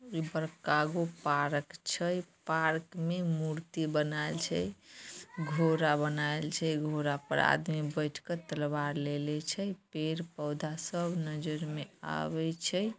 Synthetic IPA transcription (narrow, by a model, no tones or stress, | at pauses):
ibəɾkaɡopaɾkt͡ʃʰəjpaɾkmemuɾt̪ibənaelt͡ʃʰəj | ɡʱoɾabənaelt͡ʃʰəjɡʱoɾapə̰ɾa̰d̪mibəjʈʰket̪əlbaɾlelɛt͡ʃʰəjpeɾpəwd̪ʱasəbʱnəd͡ʒəɾmea̰βɛt͡ʃʰəj